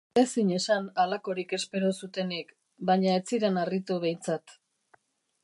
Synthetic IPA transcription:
esiɲe̞sanalako̞ɾike̞spe̞ɾo̞sut̪e̞nik | baɲaet͡siɾenarit̪uβ̞e̞jnt͡sat̪

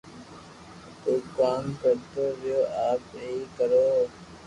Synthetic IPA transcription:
t̪uːkaːmkəɾt̪oːɾɪjoːʔaːpɦiːkəɾoː

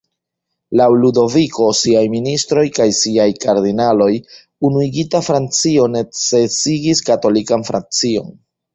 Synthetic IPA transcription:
lawludo̞viko̞siajministɾo̞jkajsiajkaɾdinalo̞j | unuiɡitafɾant͡sio̞ne̞t͡se̞siɡiskato̞likanfɾa̰nt͡sio̞̰n

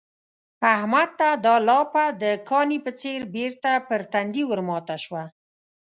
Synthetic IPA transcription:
ahmad̪̚t̪ad̪ɑlɑpad̪əkʰɑnipət͡seɾbeɾt̪apəɾt̪and̪iwəɾmɑt̪aʃwa

